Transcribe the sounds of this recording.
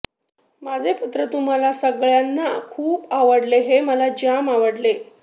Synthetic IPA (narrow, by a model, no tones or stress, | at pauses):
mad͡zʱeput̪ɾət̪um̤alasəɡɭjanːakʰuːpaʋəɽleɦeməlad͡ʑamaʋəɽle